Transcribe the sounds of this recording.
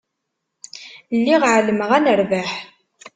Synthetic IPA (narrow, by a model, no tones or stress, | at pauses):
lːiʁʕələməʁænəɾvaħ